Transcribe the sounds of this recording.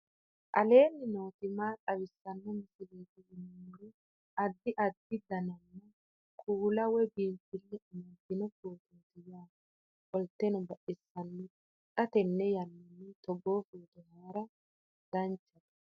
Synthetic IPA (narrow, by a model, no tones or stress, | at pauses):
ʔɐ̰le̞ːnːɪnoːt̪ɪmaːtʼɐwɪsːɐnːɔmɪsɪleːt̪ɪjɪnːuɾɛ | ɐd̪ːɪʔɐd̪ːɪd̪ɐnɐnːɐ | kʰʼuːlɐwɛbiːntːɪlːɛʊmɐɡɪnɔfoːt̪ɪnt̪ɪjaː | ɔlt̪ːɛnɔbɐʔɪsːɐnːɛ | k̪ʼɐt̪ɛnːɛjɐnːɪnːɛt̪ɔɡoːfuːd̪ɔhaːɾɐ | d̪̥ɐnt͡ʃːɐd̪ɐ